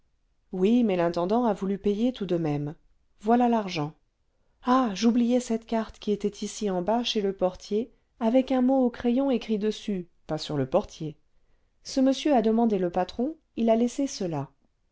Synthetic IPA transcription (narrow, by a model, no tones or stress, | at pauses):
wimɛlɛ̃t̪ɑ̃d̪ɑ̃avulypejet̪ud̪əmɛm | vwalalaʁʒɑ̃ | aʒublijɛsɛt̪kʲaʁt̪kʲiet̪ɛt̪ʰisiɑ̃baʃeləpɔʁt̪je | avɛkɛ̃mookχejɔ̃ekχid̪əsy | pasyʁləpɔʁt̪je | səməsjøad̪əmɑ̃d̪eləpat̪χɔ̃ | ilalɛsesəla